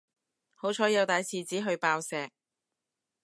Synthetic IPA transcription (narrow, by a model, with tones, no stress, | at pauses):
ho˨˥wt͡ʃʰɔː˨˥jɐ˨˧wt̪aː˨˧jsiː˨t͡siː˨˥ɦɵ˧ɥpaː˧wsɛː˨˧k̚